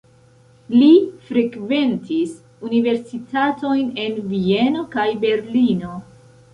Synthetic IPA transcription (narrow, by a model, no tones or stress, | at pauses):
lifɾekve̞ntʰis | unive̞ɾsitʰato̞jne̞nvie̞no̞kajbe̞ɾlino̞